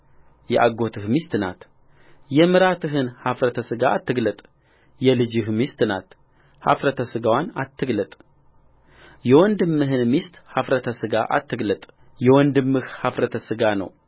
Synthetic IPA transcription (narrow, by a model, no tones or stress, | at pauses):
jɛ̰ʔaɡo̞t̪ʰɨhmist̪ɨna̰t̪ | jɛmɨɾat̪ʰɨɦɨnhafɾət̪ʰəsɨɡaːt̪ːɨɡlət̪ʼ | jɛlɨd͡ʒɨhmist̪ɨna̰t̪ | ha̰fɾət̪ʰəsɨɡawanat̪ʰːɨɡlət̪ʼ | jɛwɔnd̪ɨmːɨɦɨnmist̪hafɾət̪ʰəsɨɡa̰ʔa̰t̪ːɨɡlət̪ʼ | jɛwɔnd̪ɨmːɨhhafɾət̪ʰəsɨɡanə̰w